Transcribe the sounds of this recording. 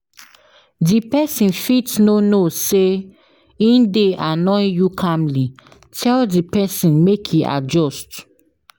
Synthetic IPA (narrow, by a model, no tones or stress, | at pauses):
dipɛsĩnfitnonose | ĩndeʔanɔ̃ɪ̃jukʰãmli | tʰɛldipɛsĩnmekʰiʔa̰d͡ʒɔst